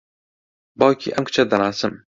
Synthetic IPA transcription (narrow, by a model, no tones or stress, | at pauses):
bɒjkʰʲḭʔamkʰʊ̥t͡ʃʰad̪anasɪm